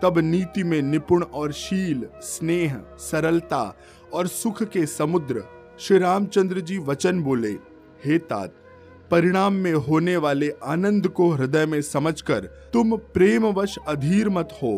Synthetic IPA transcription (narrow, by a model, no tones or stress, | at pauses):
t̪ɐbniːt̪imẽnɪpʊɽ̃ɔːɾʃiːlsneːɦsɐɾəlt̪a̰ | ɔːɾsʊkʰkesɐmʊd̪ɾə | ʃɾiɾaːmt͡ʃə̃nd̪ɾəd͡ʒiːʋɐt͡ʃənboːlḛ | heːt̪a̰ːt̪̚ | pɐɾɪɽ̃aːmːẽɦoːneʋaːleʔaːnə̃nd̪ʱkoɾɪd̪əjmẽsɐməd͡ʒʱkɐɾ | t̪ʊmpɾeːmʋəʃɐd̪ʱiːɾmɐt̪hoː